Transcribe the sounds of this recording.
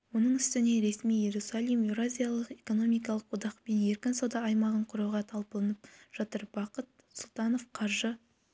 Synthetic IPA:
wo̞nəɴʏst̪ɪne̞ɾe̞smijje̞ɾusalˠijmjuɾazʲijalˠəqe̞ko̞no̞mijkɑlˠəqwod̪ɑqpe̞nje̞ɾkʲɪnsod̪ɑːjmɑʁəɴqʰʊɾɑwʁɑt̪ʰɑlˠpəlˠənəp̚ʒ̥ɑt̪əɾbɑqət̪̚ | sʊlˠt̪ɑno̞fqʰɑɾʒə

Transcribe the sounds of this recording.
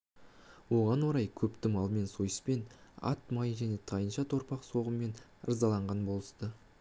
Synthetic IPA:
wo̞ʁɑnwo̞ɾɑjkʲʰɵpt̪ɪmɑlˠme̞nsojəspe̞nɑ̰t̪mɑjʒænet̪ʰɑjənʃɑt̪ʰo̞ɾpɑqso̞ʁəme̞n | ə̰ɾzɑlˠɑɴʁɑnbo̞lˠə̥st̪ə

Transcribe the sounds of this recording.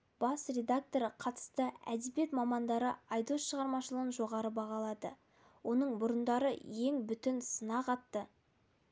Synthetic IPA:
b̥ɑsrʲe̞d̪ak̚t̪o̞ɾqʰɑt̪ə̥st̪əæ̰d̪ebje̞t̪mɑmɑnd̪ɑɾəɑjd̪o̞sʃəʁɑɾmɑʃəlˠəʁənʒo̞ʁɑɾəbɑʁɑlˠɑd̪ə | wʔo̞nəɴbʊɾənd̪ɑɾə̰je̞ŋbʏt̪ɪnsənɑqɑt̪ːə

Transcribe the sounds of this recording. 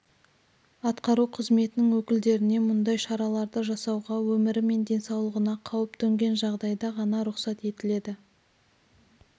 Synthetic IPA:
ɑt̪qɑɾuqʰəzme̞t̪ɪnɪŋwɵkʲɪld̪e̞ɾɪne̞mʊnd̪ɑjʃɑɾɑlˠɑɾd̪əʒɑsɑwʁɑwɵmɪɾɪme̞nd̪e̞nsɑwlˠəʁənɑqʰɑwəpt̪ʰɵŋɡʲe̞nʒɑʁd̪ɑjd̪ɑʁɑnɑɾʊqsɑt̪e̞t̪ɪle̞d̪ɪ

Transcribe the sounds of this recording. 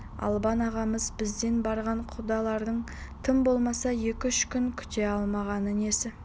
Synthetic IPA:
ɑ̰lˠbɑnɑʁɑməzbɪzd̪e̞nbɑɾʁɑɴqʰʊd̪ɑlˠɑɾd̪əɴ | t̪ʰəmbo̞lˠmɑsɑje̞kʲɪʏʃkʲʰʏŋkʲʰʏ̥t̪e̞ɑlˠmɑʁɑnəne̞sɪ

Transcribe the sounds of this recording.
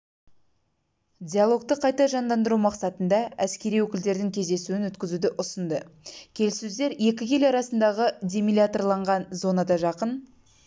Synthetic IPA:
d̪ʲijalˠo̞k̚t̪əqʰɑjt̪ɑʒɑnd̪ɑnd̪əɾumɑqsɑt̪ənd̪ɑæskʲe̞ɾijwɵkʲɪld̪e̞ɾd̪ɪŋkʲʰe̞zd̪e̞suɪnwɵt̪kʲɪzud̪ɪʔʊsənd̪əkʲʰe̞lsɵzd̪e̞ɾje̞kʲɪkʲʰe̞lɑɾɑsənd̪ɑʁəd̪ʲe̞milʲat̪o̞rlˠɑɴʁɑnzo̞nɑd̪ɑʒɑqən

